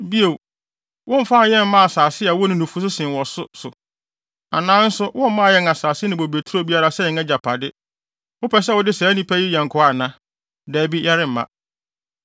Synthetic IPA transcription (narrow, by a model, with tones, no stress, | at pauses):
bi˦o˨w | wʔʊ̃˦m̩˨fa˦˨jɛ̃˦˨m̩˦mã˦a˨saː˨sɪ˦a˨wɔ˦nʊ̃˦nʊ̃˨fu˦s̬ʊ˦sɪ̃˨wɔ˨sʊ˦sʊ˨ | a˨nãː˦n̩˦sʊ˦wʔʊ̃˦m̩˦mã˦˨jɛ˦ŋa˨saː˨sɪ˦nɪ̃˨bo˨be˨tʰu˦o˦bi˦a˦ɾa˦sɛ˦˨ɛ̃˦d͡ʑa˨pʰa˨dɪ˦ | wʊ˦pʰɛ˦s̬ɛ˦˨ʊ˨dɪ˦sɛː˨˦nĩ˦pʰæ˦ji˦jɛ̃˨ŋ̩˨kʰʊ˨˦a˦˨nã˦ | dɛ˨˦bi˦jɛ˦ɾɪ̃˦m̩˨mã̰˨